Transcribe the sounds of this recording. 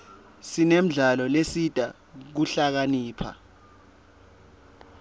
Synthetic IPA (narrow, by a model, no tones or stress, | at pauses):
sinem̩ɮalɔlesid̥ʱa | k̬uɬak̬aniːpʰa̰